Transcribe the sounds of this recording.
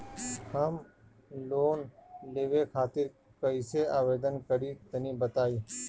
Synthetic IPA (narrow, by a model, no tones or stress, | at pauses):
həm | loːnleːʋeːkʰaːt̪ɪɾ | kəɪseːaːʋeːd̪ənkəɾiːt̪ənĩːbət̪aːiː